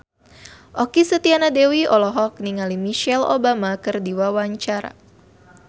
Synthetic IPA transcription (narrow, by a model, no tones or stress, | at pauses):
ʔɔkisət̪ianadewiɔlɔɦɔk̚niŋalimiʃɛlo̰bamakɨrdiwawaɲt͡ʃaɾa̰